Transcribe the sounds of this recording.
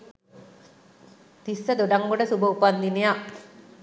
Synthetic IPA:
t̪isːəd̪oɖaŋɡoɖəsubəupand̪inejaʔ

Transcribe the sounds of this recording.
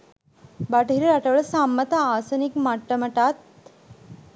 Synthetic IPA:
baʈəɦiɾɐɾaʈɐʋəɭɐsamːət̪ɐaːsɐnikmaʈːəmɐʈaːt̪̚

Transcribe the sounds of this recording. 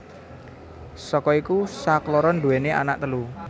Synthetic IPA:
sɔkɔikusaklɔɾɔnd̪uweneʔa̰naʔ̚t̪əlu

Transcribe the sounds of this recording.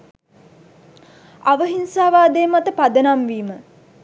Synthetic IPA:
aʋəɦinsaːʋaːd̪eːmat̪əpad̪ənamʋiːmə

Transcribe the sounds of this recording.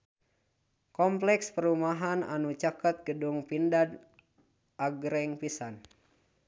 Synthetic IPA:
kɔmplɛkspəɾumaɦana̰nut͡ʃakat̪̚ɡəduŋpindad | ʔaɡɾɛŋpisan

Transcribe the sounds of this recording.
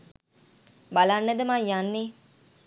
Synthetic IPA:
balanːəd̪əmajjanːi

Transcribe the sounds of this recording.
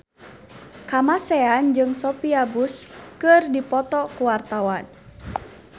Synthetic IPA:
kamasɛand͡ʒɨŋsɔpiabuskɨrdipɔt̪ɔkuwart̪awan

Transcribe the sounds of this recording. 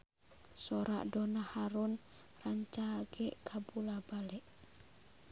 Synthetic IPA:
sɔɾa̰ʔdɔnahaɾun | raɲt͡ʃaɡɛʔkʰabulabalɛʔ

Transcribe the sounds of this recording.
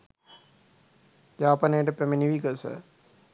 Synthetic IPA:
jaːpanejəʈəpemeniʋikəsə̰

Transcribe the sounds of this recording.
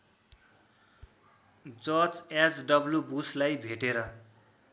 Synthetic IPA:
d͡zʌt͡sasɖʌbljubuslajbʱeʈeɾʌ

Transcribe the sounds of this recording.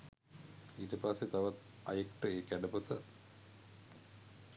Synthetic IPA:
iːʈəpasːet̪aʋat̪ | a̰jekʈəeːkæɖəput̪ə

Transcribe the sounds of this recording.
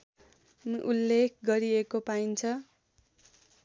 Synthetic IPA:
ʔulːek̚ʰɡʌɾiekopaint͡sʰʌ

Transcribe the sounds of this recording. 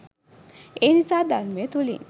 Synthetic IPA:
enit͡sad̪aɾmet̪ulḭ

